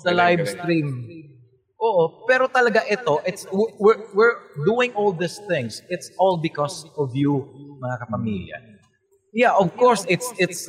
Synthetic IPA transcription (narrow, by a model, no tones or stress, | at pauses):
d̪ɐlajvst̪ɾim | ʔoʔopɛɾot̪ɐlɐɡaʔɛt̪o̞ʔɪt̪swɪwɪɹwɪɹd̪uɪ̃ŋʔɔlˠd̪ɪsθɪ̃ŋsɪt̪sɔlbɪkɔsɔvjumɐŋakɐpɐmḭljɐ̰ | jaʔɔvkɔɹsɪt̪sɪt̪s